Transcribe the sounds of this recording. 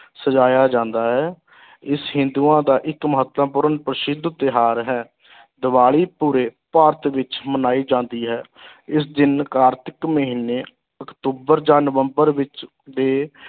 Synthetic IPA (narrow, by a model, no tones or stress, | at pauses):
səd͡ʒaːjaːd͡ʒãːnd̪aːɦɛː | ɪsɦɪ̃nd̪uːãːd̪aːʔɪkməɦət̪ːəpʊɾənpɾəʃɪd̪ət̪ɪɦaːɾɦɛː | d̪əʋaːɭiːpuːɾeːpaːɾt̪ʰʋɪt͡ʃmənaːiːd͡ʒãːnd̪iːɦɛː | ɪsd̪ɪnkaːɾt̪ɪkməɦiːnːeː | əkt̪uːbəɾd͡ʒãːnəʋəmbəɾʋɪt͡ʃ | d̪eː